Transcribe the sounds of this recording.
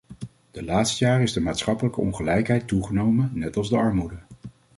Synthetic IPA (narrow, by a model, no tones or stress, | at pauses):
d̥əlaːtstəjaːrɪzdəmaːtsχɑpələkəɔ̰nχəlɛjkɦɛjtuχənowmənɛtɑlˠzdəɑɹmudə